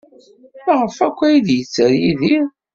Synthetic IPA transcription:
maʁəfækʷːæjiðjət͡sːəɾjiði

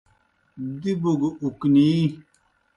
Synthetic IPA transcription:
d̪ibuɡukniː

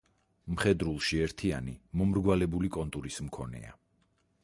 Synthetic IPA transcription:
mχɛd̪ɾulˠʃiɛɾt̪ʰia̰nimɔmɾɡwalɛbulikʼɔnt̪ʼuɾismkʰɔnɛ̰a̰

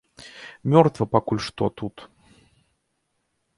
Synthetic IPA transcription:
mʲɔrt̪vəpɐkulʲʂt̪ot̪ut̪

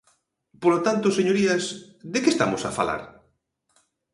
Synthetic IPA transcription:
polot̪ant̪ʊseɲoɾiɐs | d̪ekest̪a̰mʊsafa̰la̰ɾ

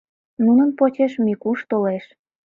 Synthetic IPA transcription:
nunənpot͡ɕeʃmikuʃt̪oleʃ

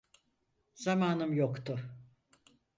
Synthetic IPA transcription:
z̥amaːnɯmjokt̪ʰʊ

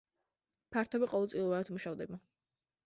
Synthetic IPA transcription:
pʰaɾt̪ʰɔbiqʼɔvɛlˠt̪sʼilˠvaɾat̪ʰmuʃavd̪ɛba

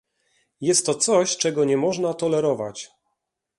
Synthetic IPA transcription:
jɛst̪ːɔt̪sɔɕt͡ʂɛɡɔɲɛmɔʐnat̪ɔlɛɾɔva̰t͡ɕ

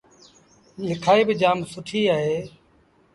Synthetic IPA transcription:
lɪkʰaːiːbɪd͡ʒaːmsʊʈʰiːaːɦeː

